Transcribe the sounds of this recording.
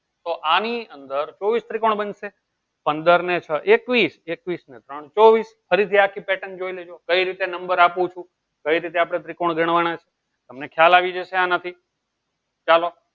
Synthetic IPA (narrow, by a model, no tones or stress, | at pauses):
t̪oʔaniənd̪əɾt͡ʃɔʋist̪ɾikoɳ̃bənse | pənd̪əɾnet͡ʃʰəʔekʋisekʋisnet̪ɾəɳ̃t͡ʃoʋisfəɾit̪ʰiakʰipɛʈənd͡ʒoiled͡ʒokəiɾit̪enəmbəɾapũt͡ʃʰũ | kəiɾit̪̬eapɽ̃et̪ɾikoɳ̃ɡʱəɳ̃ʋañat͡ʃʰe̥ | t̪əmnekʰjalaʋid͡ʒəʃeanət̪ʰi | t͡ʃalo